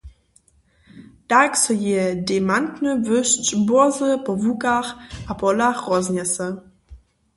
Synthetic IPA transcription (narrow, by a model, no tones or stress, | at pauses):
d̥aksɔjedemantnəvɵʃt͡ʃboɐzəpɔvukaχʔapɔlaχʁɔznɛsə